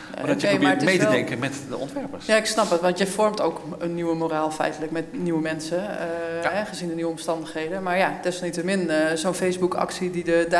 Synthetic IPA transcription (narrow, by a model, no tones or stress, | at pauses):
oəebmaɹətɪmjɛdɛŋkəmɛtdə̰ɔ̰̃ntʋɛɹpərsjaɪksnɑpətʋɑ̃ntjəfɔrmtowkənːiwəmoɾaːlˠfɛ̰jtələkmɛtniwəmɛnsəəɦɛχəzindəniʋəɔmstɑndəxɦejdəmaɹjadɪsʋnitəmɪnzonfejsbukɑ̰ksididəda